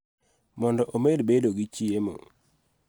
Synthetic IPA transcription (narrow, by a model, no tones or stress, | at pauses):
mɔndɔʔomedbedoɡɪt͡ʃiemo̰